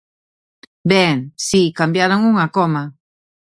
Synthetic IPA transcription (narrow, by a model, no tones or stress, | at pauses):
beŋsikambjaɾaŋuŋakoma